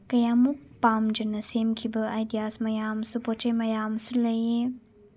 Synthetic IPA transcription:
kɐjamupaːmd͡ʒɐnɐseːmkʰibəajd̪ijaːsmɐjaːmsupot͡ʃɐmɐjaːmsulɐje

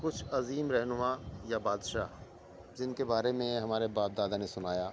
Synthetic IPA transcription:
kʊt͡ʃʰɐziːmɾɛɦnʊmaːjabaːd̪ʃaː | d͡ʒɪnkebaːɾemẽɦɐmaːɾebaːp̚d̪aːd̪anẽsʊnaːjaː

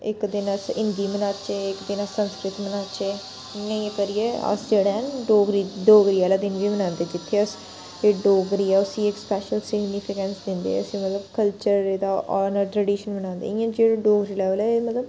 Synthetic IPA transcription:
ɪ̰kd̪ɪnəsɪ̃nd̪iːmənaːt͡ʃeːɪkd̪ɪnasənskɾɪt̪mənaːt͡ʃeː | ãĩkəɾieːə̰sd͡ʒeːɽenɖoːɡɾiːɖoːɡɾiːɛːlaːd̪ɪnʋiːmənãːnd̪eːd͡ʒɪt̪ʰːeːəs | eɖoːɡɾiːɛːʊsĩːɪkspɛːʃəlsɪɡniːpʰɪkɛ̃ːnsd̪ɪ̃nd̪ḛːəsĩːmət̪ləbkəlt͡ʃəɾd̪aːʔɔːnəɾʈɾɛːɖiːʃənmənãːnd̪ḛːɪãːd͡ʒeːɽɖoːɡɾiːlɛːʋəlɛːemət̪ləb

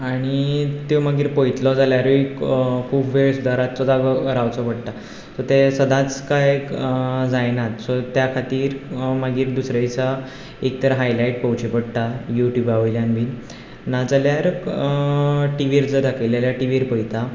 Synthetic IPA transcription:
aɽ̃it̪oməɡiːɾpojt̪lɔd͡zaljaɾikʰuːpʋeɭsud̪aɾat̪sɔd̪aɡəɾawt͡sɔpəɽt̪a | sɔɾt̪esəd̪ʱãt͡skaj | d͡zajnat̪sɔt̪jakʰat̪iːɾmaɡiːɾd̪usɾajt͡sa | ek̚t̪əɾɦajlaiʈ̚pəwt͡ɕipəɽt̪ajuʈjuːbaʋəjljanbiːn | nad͡zaljaɾ | ʈiʋiɾd͡zəd̪akeljaljaʈiʋiɾpəjt̪a

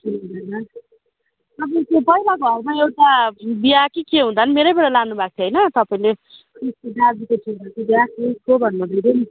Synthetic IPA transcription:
tʰiɦud̪ajnʌ | t̪ʌpaĩkepʌilaɡoʌɾmaewʈabiakikeɦũnd̪anmeɾejbʌɽalanubʱak̚t̪ʰeɦʌjnʌt̪ʌpaĩlekʰriskod̪abikotʰinɡʌt̪ʰebiakiskobʱʌnːʌbʱiɾen

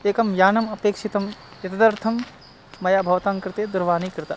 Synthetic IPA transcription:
eːkɐmjaːnɐmɐpeːkʃit̪ɐmjɐt̪ɐd̪ɐɾt̪ʰɐmː | ɐjaːbʱɐʋt̪aːmkɾɪt̪ed̪uɾʋaːnikɾɪt̪a

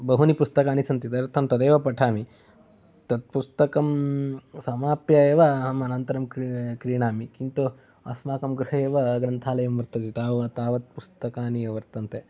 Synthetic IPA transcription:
bɐɦunipust̪ɐkaːnisɐnt̪it̪ɐɾt̪ʰɐmt̪ɐd̪eːʋɐpɐʈʰaːmi | t̪ɐt̪̚pust̪ɐkɐmsɐmaːpjɐeːʋɐɦɐmɐnɐnt̪ɐɾɐmkkɾiːɳaːmikint̪u | ɐ̰smaːkɐmɡɾuɦɐeːʋɐɡɾɐnt̪ʰaːlɐjɐmʋɐɾt̪ɐt̪it̪aːʋɐɐt̪aːʋɐt̪̚pust̪ɐkaːniɐʋɐɾt̪ɐnt̪e

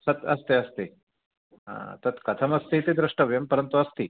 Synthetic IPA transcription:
sɐt̪ɐst̪eɐst̪e | a̰t̪ɐt̪kɐt̪ʰɐmɐst̪it̪ed̪ɾuʂʈɐʋjɐmpəɾənt̪uɐst̪i

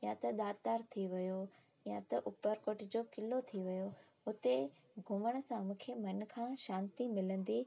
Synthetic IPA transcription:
jãt̪ɐɗ̪aːd̪t̪aːɾt̪ʰiʋɪjo | jãt̪ɐʔʊpəɾkoːʈɪd͡ʑokɪlot̪ʰiʋɪjo | ʊt̪e | ɡʱʊməɽ̃sãmʊ̃ːkʰemɐn̆kʰãʃãːnt̪imɪlə̃nd̪i

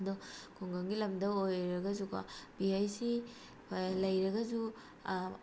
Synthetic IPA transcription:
dɔkʰuŋɡɐŋɡilɐmdɐojɾɐɡɐzuka̰b̥iajsi | lɐjɾɐɡɐzu

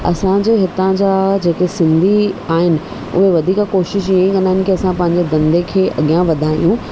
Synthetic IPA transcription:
ɐ̰sãd͡ʑeːɦɪt̪ãd͡ʑaːd͡ʑeːkesɪ̃nd̪ʱiaːɦɪnɪ̆ | ʊ̰ɦeʋɐd̪ʱiːkakoːʃɪʃ̬aĩkɐnaːɦɪnɪ̆kiɐsãpɐ̃ɦɪɲd͡ʑed̪ɐ̃nd̪ʱekʰeːʔɐɠijãʋɐd̪ʱaːḭjũ

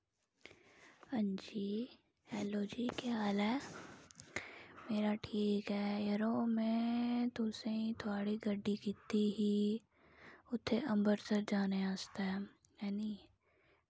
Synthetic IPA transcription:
ɐ̃nd͡ʒiː | ɛːloːd͡ʒiːkeaːlɛː | meːɾaʈʰiːkɦɛːjɐɾomẽt̪ʊsẽĩt̪ʰʊaːɽiɡɐɖːikɪt̪ːiɦiː | ʊt̪ʰːeʔɐ̃mbəɾsɐɾd͡ʒaːneaːst̪aɦɛː | jaːni

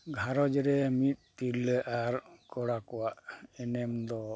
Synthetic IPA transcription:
ɡʱaɾɔd͡ʒɾɛmit̪̚ˀp̪ilɛʔaɾkɔɽakɔwaʔɛnɛmd̪ɔ

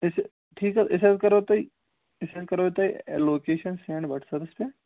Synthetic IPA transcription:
ɪs | ʈʰiːkaɪset̪̚kɐɾot̪ai | ɪsed̪̚kɐɾot̪aḭloːkeːʃənsɛ̃ːɳɖbɐʈʰsɐɾɪspe

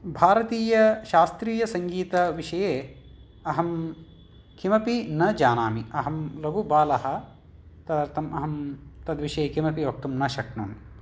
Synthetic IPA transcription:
bʱaːɾɐt̪iːjɐʃaːst̪ɾiːjɐsɐŋɡiːt̪ɐʋiʃɐjeː | ɐɦɐm | kʰimɐpinɐd͡ʒaːnaːmiɐɦɐmlɐɡubaːlɐɦɐ̆ | t̪ɐd̪ɐɾt̪ʰɐmʔɐɦɐmt̪ɐd̪ʋiʃɐjeːkʰimɐpiʋok̚t̪umnɐʃɐkɳuːn

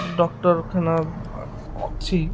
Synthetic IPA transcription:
ɖɔk̚ʈɔɾkʰana | ɔ̰t͡ɕʰi

